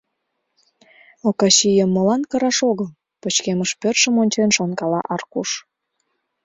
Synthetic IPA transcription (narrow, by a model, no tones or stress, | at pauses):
okɑɕijəmːolɑnkəɾɑʃoɣəl | pət͡ɕkeməʃpørʃəmonʲt͡ɕenʃonkɑlɑ̰ʔɑrkuʃ